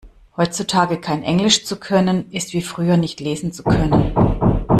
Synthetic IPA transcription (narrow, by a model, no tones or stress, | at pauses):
hɔʏt͡sutʰaːɡəkʰaɪnʔɛŋlɪʃt͡sukʰœnənʔɪstv̥iːfʁ̥yːɐnɪçtleːzn̩t͡sukʰœnən